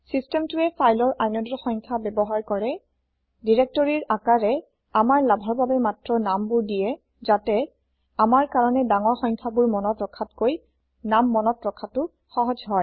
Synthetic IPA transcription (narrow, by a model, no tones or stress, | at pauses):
sistɛmtʊɛfʰajlɔɹʔajnɔdɔxɔŋkʰabɛbɔɦaɹkɔɹɛ | diɹɛk̚tɔɹiɹakaɹɛ | amaɹlabʱɔɹbabɛmatɹɔnambʊɹdijɛ | zatɛ | amaɹkaɹɔnɛdaŋɔɹxɔŋkʰabʊɹmɔnɔtɹɔkʰatkoj | namːɔnɔtɹɔkʰatʊ | xɔɦɔd͡ʒɦɔj